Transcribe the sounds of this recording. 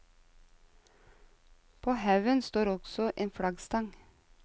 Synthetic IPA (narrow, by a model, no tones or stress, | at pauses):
pʰoːhɑʉʋənst̪oːɾɔɡ̥sɔʔeːnfɽɑɡst̪ɑŋ